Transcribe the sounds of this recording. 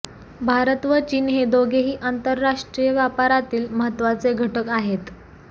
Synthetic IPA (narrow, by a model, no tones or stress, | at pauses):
bʱaɾət̪ʋət͡ɕiːnɦed̪oɡeɦiːʔant̪əɾːaʂʈɾijəʋjapaɾat̪iːlməɦət̪ːʋat͡seɡʱəʈəkaɦet̪